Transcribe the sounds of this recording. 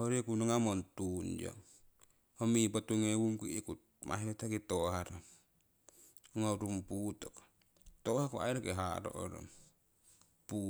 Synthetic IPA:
hoɾekunoŋamontund͡ʒo̰ | homipotuŋewumkuikut̚ | mʔa̰ɦetakitohaɾom | ŋoɾumputok | tohakua̰jɾakeɦaɾo̰ʔo̰ɾo̰m | pu

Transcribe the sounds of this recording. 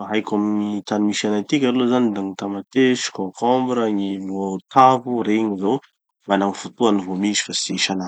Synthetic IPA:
ɦajkʲamnit̪anmiʃanajt̪ikʲallozanid̪aŋit̪amat̪eʃi̥kokɔmbuɾəɲivot̪ʰavuɾeɲizo | manaŋifut̪uanivomizi̥fasiʃana

